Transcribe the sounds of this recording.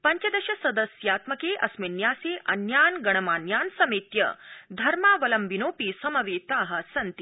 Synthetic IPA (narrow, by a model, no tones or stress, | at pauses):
pɐɲt͡ʃɐd̪ɐɕɐsɐd̪ɐsjaːt̪mɐkeːʔɐsminjaːseːʔɐnjaːnɡɐɳ̃ɐmaːnjaːnsɐmeːt̪jɐ̰d̪ʱɐɾmaːʋɐlɐmʋinoːpiːsɐmɐʋeːt̪aːɦɐ̆sɐnt̪i